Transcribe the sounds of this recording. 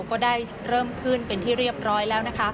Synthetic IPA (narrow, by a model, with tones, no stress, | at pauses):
kɔː˥˩daː˥˩j | ɾɤː˥˩mkʰɯː˥˩npe˧nt̪ʰiː˥˩ɾi˥˩əp̚ɾɔː˦˥jlɛː˦˥wna˦˥kʰa˦˥